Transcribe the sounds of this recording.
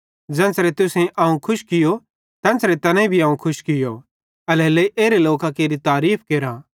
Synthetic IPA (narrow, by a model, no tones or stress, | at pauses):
d͡ʒɛ̃ːnsɾet̪ʊsẽʔɐũkʰʊʃkɪjo | t̪ɛ̃ːnsɾet̪ɐnãĩbʱiɐũkʰʊʃkɪjo̰ | ɐlɛːleiʔeːɾeloːkakeːɾit̪aːɾiːpʰkeːɾã